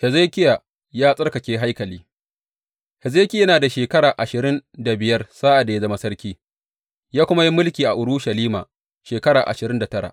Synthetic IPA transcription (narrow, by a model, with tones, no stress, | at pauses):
hɛ˨zeː˦kʲɪ˦jaː˨ | jaː˦sʼɐ˦rkɐ˨kʲeː˦ɦa˦jkɐ˨liː˦ | hɛ˨zeː˦kʲɪ˦ɐ˦naː˨da˨ʃeː˨kɐ˦ɽaː˨ʔa˨ʃɪ˨ɾɪ˦nda˨bɪ˨jɐ˦rsaː˦ʔa˨da˨ja˦zɐ˦ma˦sɐ˦rkʲiː˦ | jaː˦kʷʊ˦ma˦ji˦mʊ˦lkʲiː˨ʔa˨ʔʊ˨ɽʊ˦ʃɐ˨liː˦ma̰ː˨ | ʃeː˨kɐ˦ɽaː˨ʔa̰˨ʃɪ˨ɾɪ˦nda˨tɐ˦ɽa̰˨ʔ